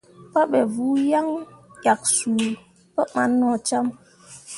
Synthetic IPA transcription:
pa˦ɓɛ˨vu˨˦ja˦ŋja˨k̚su˨ | pə˦ma˨˦nːɔ˨t͡ʃa˦m

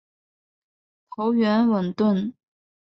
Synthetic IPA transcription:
t̪ʰo˧˥ʊɥɛ˧˥nwə˨˩nt̪wə˥˩n

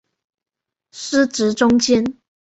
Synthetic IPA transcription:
ʂɻ̩˥ʈ͡ʂɻ̩˨˥ʈ͡ʂʊ˥ŋt͡ɕjɛ˥n

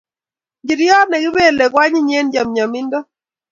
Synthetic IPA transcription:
d͡ʒɪ˨ɾjɔ˦nɛ˨ɡɪ˦be˦lɛ˨kwa˦ɲɪ˦ɲe˦nd͡ʒa˨mɲa˨mɪ˦ndɔ˦

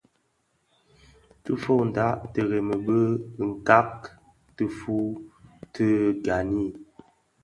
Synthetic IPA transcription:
tə˦fo˦˨n̩˨da˨˦ʔtə˨ɣɛ˨mə˨bə˦˨ŋ̩˨ka˦k | tə˦fu˦tʰə˦ɡa˨ni˦˨

